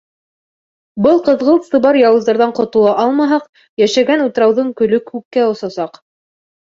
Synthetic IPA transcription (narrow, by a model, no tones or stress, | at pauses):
bɤlˠqɤ̆ðʁɤlˠt̪sɤ̆βɑɾjɑwɤ̆zd̪ɑɾðɑɴqŏt̪ŏlˠɑʔɑlˠmɑɦɑq | jæʃæɡænut̪ɾɑwðɤɴkɵ̆lɵkhʉkːæŏsɑsɑq